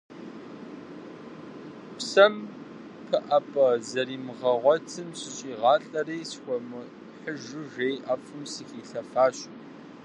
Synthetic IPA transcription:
psɐm | pʰɨʔɐpʼɐzɐɾiːmʁɐʁʷɔtʰɨmɕɪɕʼiːʁɑːɬʼɐreːjsxʷɔmɨ | ħəʒɨʒejʔɐfɨmsɨxiːɬɐfaːɕ

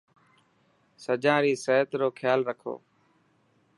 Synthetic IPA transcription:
səd͡ʒãːɾiːseːt̪ɾoːkʰjaːlɾəkʰo̰ː

